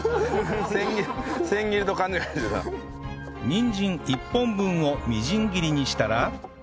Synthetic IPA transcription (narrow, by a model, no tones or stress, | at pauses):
sẽŋɡʲisẽ̞ŋɡʲiɾɯt̪okãɲd͡ʑikasɨk̪a̰ | ɲĩɲd͡ʑĩŋipːõ̞mbɯ̟̃ɰ̃o̞mʲiʑĩŋɡʲiɾʲiɲ̟iɕi̥t̪aɾa